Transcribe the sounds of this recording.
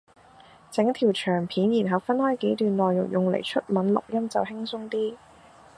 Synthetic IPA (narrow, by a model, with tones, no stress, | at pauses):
t͡sɪ˨˥ŋt̪ʰiː˨˩wt͡ʃʰœː˨˩ŋpʰiː˨˥njiː˨˩nɦɐ˨˩wfɐ˥nhɔː˥jke˨˥jt̪yː˨nlɔː˨jːʊ̰˨˩ŋjʊ˨˩ŋlḛ˨˩jt͡ʃʰɵ˥t̚mɐ˨˥nlʊ̰˨k̚jɐ˥mt͡sɐ˨wɦɪ˥ŋsʊ˥ŋt̪iː˥